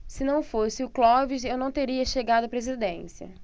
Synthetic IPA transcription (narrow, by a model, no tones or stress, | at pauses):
sɪnɐ̃w̃fosɪʊklɔviʃewnɐ̃w̃t̪eɾiɐʃeɡad̪ʊɐpɾezid̪ẽsiɐ̰